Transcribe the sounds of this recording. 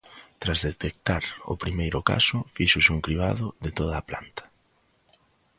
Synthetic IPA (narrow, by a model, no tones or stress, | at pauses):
t̪ɾazðet̪ek̚t̪aɾʊ̰pɾimejɾʊka̰sʊfiʃʊsuŋkɾiβa̰ðʊðɪt̪oðɐːpla̰nt̪ɐ̥